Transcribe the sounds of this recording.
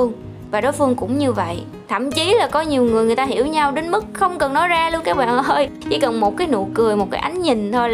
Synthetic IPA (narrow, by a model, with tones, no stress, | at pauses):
əŋ | vaː˨˩ɗɔ˨˦jfɨ˧əŋkʊ̰˧˥ŋ͡mɲɨ˧və̰˧˨j | t̪ʰə̰˧˩mt͡ɕi˨˦laː˨˩kɔ˨˦ɲi˨˩əwŋɨ˨˩ŋ˨˩əjt̪aː˧ɦi˧˩əwɲa˧wɗe˨˦nmɨ˦˥k̚xə˧wŋ͡mkə˨˩nːɔ˨˦jzaː˧lu˧ənkaː˦˥k̚ɓa̰ː˧˨nʔəː˧jt͡ɕḭ˧˩kə˨˩nmo˨˩t̚kaː˨˦jno̰˧˨kɨ˨˩əjmo˨˩t̚kaː˨˦jʔa˨˦jŋ̟ɲï˨˩ŋ̟t̪ʰo˧j